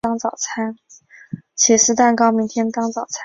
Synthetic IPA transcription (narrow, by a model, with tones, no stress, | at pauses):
ɑ˥ŋt͡sɑ˨˩ʊt͡sʰa˥n | t͡ɕʰɛ˨˩ʂɻ̩˥˧t̪a˥˩nkɑ˥ʊmi˧˥ŋt̪ʰjɛ˥nt̪ɑ˥ŋt͡sɑ˨˩ʊt͡sʰa˥